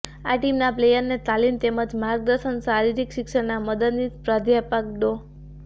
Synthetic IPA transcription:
aʈimnaplejəɾnet̪alimt̪eməd͡ʒmaɾɡ̚d̪əɾʃənsaɾiɾikʃikʃənaməd̪əd̪nit̪pɾad̪ʱjapak̚ɖo

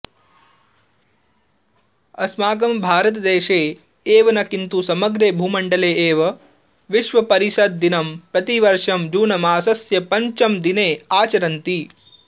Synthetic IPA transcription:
ɐsmaːɡɐmbʱaːɾɐt̪̬ɐd̪eːʃeː | eːʋɐnɐkint̪usɐmɐɡɾeːbʱuːmɐɳɖɐleːeːʋɐ | ʋiʃʋɐpɐɾiʃɐd̪̚ːinɐmpɾɐt̪iʋɐɾʂɐmd͡ʒuːnɐmaːsɐsjɐpɐɲt͡ʃɐmd̪ineːaːt͡ʃɐɾɐnt̪i

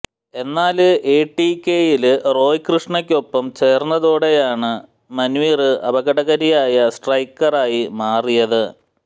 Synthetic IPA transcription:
e̞nːaːlɨʔeːʈːikʲːeːjilɨro̞ːjkrɨʂɳɐkʲːo̞pːɐmt͡ɕe̞ːrnːɐðoːɽejaːɳɨ | mɐnʋiːrɨʔɐbɐɣɐɽɐɣɐɾijaːjɐsʈrɐjkːɐraːjimaːrijɐðɨ

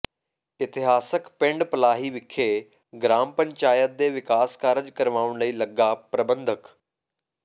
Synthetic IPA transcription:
ɪt̪ɪɦaːsəkpɪ̃ɳɖpəlaːɦiːʋɪkʰːeː | ɡɾaːmpəɲt͡ʃaːjət̪̚d̪eːʋɪkaːskaːɾəd͡ʒkəɾʋaːʊɳləiːləɡːaːpɾəbənd̪ʱək

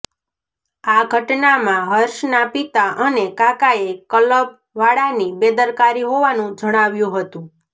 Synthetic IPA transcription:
aɡʱəʈnamãɦəɾʃnapit̪aʔənekakaekələb | ʋaɽanibed̪əɾkaɾiɦoʋanũd͡ʒəɽ̃aʋjũɦət̪ũ

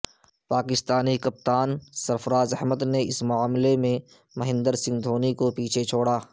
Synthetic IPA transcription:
paːkɪst̪aːnikɐp̚t̪aːnsɐɾfəɾaːzɐɦməd̪neɪsmʊaːmlemẽ | mɐɦɪ̃nd̪əɾsɪ̃ŋɡd̪ʱoːnikopiːt͡ʃʰet͡ʃʰoːɽaː

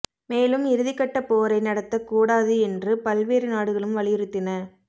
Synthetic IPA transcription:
meːlɯmɪɾɯðɪkːɐʈːɐpoːɾɐɪnɐɽɐt̪ːɐkːuːɽaːðɯɛndrɯpɐlʋeːɾɯnaːɽɯɣɐɭɯmʋɐɭɪjɪɾɯt̪ːɪnɐ

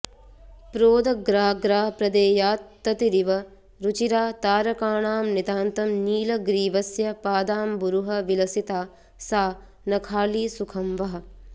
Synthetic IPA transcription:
pɾoːd̪ɐɡɾaːɡɾaːpɾɐd̪eːjaːt̪ːɐt̪iɾiʋɐ | ɾut͡ʃiɾaːt̪aːɾɐkaːɳaːmnid̪aːnt̪ɐmniːlɐɡɾiːʋɐsjɐpaːd̪aːmbuɾuɦɐʋilɐsit̪aː | saː | nɐkʰaːliːsukʰɐmʋɐɦɐ̆

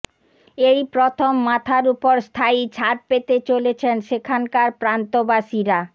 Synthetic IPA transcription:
ejpɾot̪ʰomːat̪ʰaɾupoɾst̪ʰajt͡ɕʰaʈ̚pet̪et͡ɕolet͡ɕʰenʃekʰankaɾpɾant̪obaʃiɾa

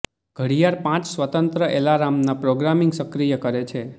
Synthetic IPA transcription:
ɡ̥ʱəɽijaɾpãt͡ʃsʋət̪ənt̪ɾəʔelaɾamnapɾoɡɾamiŋɡsəkɾijəkəɾet͡ʃʰe

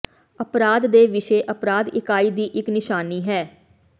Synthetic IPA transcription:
əpɾaːd̪ːeːʋɪʃeːʔəpɾaːd̪ɪkaːiːd̪iːʔɪknɪʃaːniːɦɛː

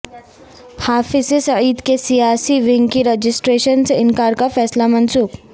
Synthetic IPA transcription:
haːfɪsesɐʕiːd̪kesijaːsiʋɪŋɡkiɾed͡ʒɪsʈɾeːʃənsɪnkaːɾkafɛːslamɐnsuːk

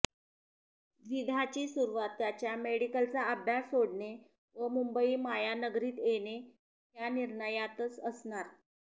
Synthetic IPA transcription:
d̪ʋid̪ʱat͡ɕiːsuɾuʋat̪ːjat͡ɕjameɽikəlt͡saəbʱjasoɽɳe | ʋəmumbəiːmajanəɡɾiːt̪ene | ɦjaniɾɳəjat̪ət͡səsɳaɾ

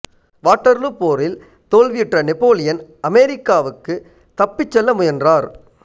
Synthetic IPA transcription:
ʋaːʈːɐɾlɯpːoːɾɪl | t̪oːlʋɪjɪʈrɐnɪpːoːlɪjɐnɐmɛɾɪkːaːʋɯkːɯ | t̪ɐpːɪt͡ʃːɛlːɐmʊjɐndraːɾ

